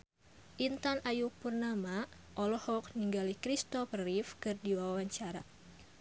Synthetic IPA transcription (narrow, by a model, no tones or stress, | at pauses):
ʔint̪anajupurnama | ʔɔlɔhɔk̚niŋɡalikɾist̪ɔprifkɨrdiwawaɲt͡ʃaɾa